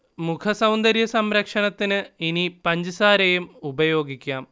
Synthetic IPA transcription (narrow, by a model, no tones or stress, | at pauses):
mukʰɐsɐwnd̪ɐɾjɐsɐmɾɐkʂɐɳɐt̪ːinɨinipɐɲd͡ʑɨsaːɾɐjumubɐjo̞ːɡikʲːaːm